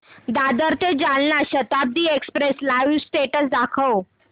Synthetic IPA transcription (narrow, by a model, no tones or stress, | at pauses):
d̪ad̪əɾt̪ed͡ʑalnaɕət̪ab̚d̪iːekspɾeslausʈeʈəsd̪akʰəw